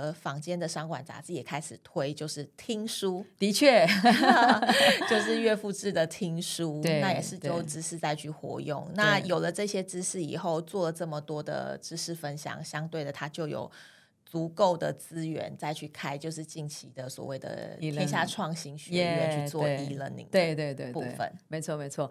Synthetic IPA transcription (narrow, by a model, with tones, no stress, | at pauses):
fɑ˧˥ŋt͡ɕjɛ˥nd̪ə˨ʂɑ˥ŋkwa̰˨˩nt͡sa̰˧˥t͡sɹ̩˥˩jɛ˨˩kʰa˥ɪʂɻ̩˨˩t̪ʰwe˥ɪt͡ɕjo˥˧ʊʂɻ̩˥˩t̪ʰi˥ŋʂu˥t̪i˧˦t͡ɕʰɛ˥˩ | t͡ɕjo˥˧ʊʂ̬ɻ̩˥˧ɥɛ˥˧fu˥˧ʈ͡ʂɻ̩˥˩d̪ə˩t̪ʰi˥ŋʂu˦t̪n˧a˥˩jɛ˨˩ʂɻ̩˥˧t͡ɕjo˥˧ʊʈ͡ʂɻ̩˥ʂɻ̩˥˧t͡sa˥˧ɪt͡ɕʰy˥˩xwɔ̰˧˥jʊ̰˥˩ŋna˥˩jo˨˩ʊlə˩ʈ͡ʂɤ˥˩ɕjɛ˥ʈ͡ʂɻ̩˥ʂɻ̩˥˩ḭ˨˩xo˥˧ʊt͡swɔ˥˩lə˩ʈ͡ʂɤ˥˩mə˩t̪wɔ˥d̪ə̰˨˩ʈ͡ʂɻ̩˥ʂɻ̩˥˩fə˦nɕjɑ̰˨˩ŋɕjɑ˥ŋt̪we˥˩ɪd̪ə˩t̪ʰa˥t͡ɕjo˥˩ʊjo̰˨˩ʊ | t͡su˧˥ko˥˩ʊd̪ə˩t͡sɹ̩˥ɥɛ̰˧˦nt͡sa˥˧ɪt͡ɕʰy˥˩kʰa˥ɪt͡ɕjo˥˧ʊʂɻ̩˥˧t͡ɕi˥˩nt͡ɕʰi˧˥d̪ə˨swɔ̰˨˩we˥˩ɪd̪ə̰˩ɛ˥nɕja˥˧ʈ͡ʂʰwɑ˥˩ŋɕi˥nɕy˥ɥɛ˥˧nt͡ɕʰy˥t͡swɔ˥˩˥i˧˥lə˧nḭ˨˩ŋwe˥˧ɪt̪we˥˧t̪we˥˩pue˩˥˩fə̰˨˩˦nme˧˥ɪt͡sʰwɔ˥˩me˧˥ɪt͡sʰwɔ˥˩